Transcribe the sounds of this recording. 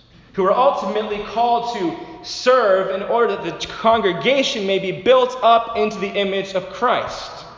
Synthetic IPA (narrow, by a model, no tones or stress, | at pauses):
huə˞ʔʌlˠtəmɨtˡlikʰɔlˠd̚tʰɨsɜ˞vɨ̃nɔɹɾə˞ðɨt̪̚ðɨkʰɑ̃ŋɡɹɨɡeɪʃɨ̃nmeɪbibɪlˠtʌpɪ̃ntʉðiʔɪ̃mɪd͡ʒʌv̥kʰɹ̥aɪst